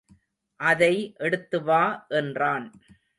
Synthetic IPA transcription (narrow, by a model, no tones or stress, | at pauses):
ʔɐðɐɪʔɛɽɯt̪ːɯʋaːʔɛndraːn